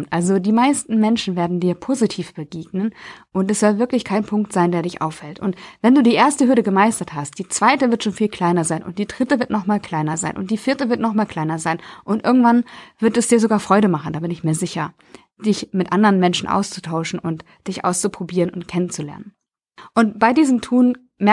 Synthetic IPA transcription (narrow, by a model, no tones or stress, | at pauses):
tʔalzodiːmaɪstn̩mɛnʃn̩veːɐdn̩diːɐpʰoːzitʰiːfb̥əɡeːɡnənʔʊntɛsz̥ɔltvɪɐklɪçkʰaɪnpʰʊŋk̚tz̥aɪndeːɐdɪçʔa̰ʊfhɛltʊntvɛnduːdiːʔeːɐstəhʏɐdəɡəmaɪstɐthast̚d̥iːt͡sv̥aɪtəvɪɐtʃoːnfiːlkʰl̥aɪnɐzaɪnʔʊ̰nt̚d̥iːdʁɪtəvɪɐtnɔχmaːlkʰl̥aɪnɐzaɪnʔʊ̰nt̚d̥iːfɪɐtəvɪɐtnɔχmaːlkʰl̥aɪnɐzaɪnʔʊntʔɪ̰ɐɡŋ̩tv̥anv̥ɪɐtɛsd̥iːɐzoɡaːɐfʁ̥ɔʏɾəmaχn̩daːbɪnɪçmiːɐzɪçɐ | d̥ɪçmɪtʔandəʁənmɛnʃn̩ʔa̰ʊst͡su̥tʰaʊʃn̩ʊnt | d̥ɪçʔa̰ʊst͡supʁ̥obiːʁənʊntkʰɛnənt͡sulɛ̰ɐnən | ʔʊntb̥aɪdiːzəmtʰuːn | mɛ